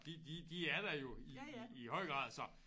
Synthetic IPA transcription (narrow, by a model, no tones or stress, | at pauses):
d̥id̥id̥iæɐd̥ɑjo̝iːhɒ̽ɪ̰ɡ̥ʁɑ̰ð̰ˠsɒ̽